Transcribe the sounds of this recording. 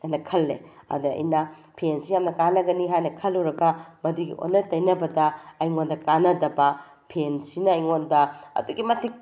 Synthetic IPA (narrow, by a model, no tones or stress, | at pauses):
ɐjnɐkʰɐlːḛɐ̰dɐɐ̰jnɐ | pʰensijamnɐkanɐɡɐniɦajnɐkʰɐlːuɾɐɡɐmɐduɡḭʔo̰nːɐtɐjnɐbɐdɐːjŋondɐkanɐdɐbɐ | pʰensinɐːjŋondɐɐ̰duɡimɐtʰik̚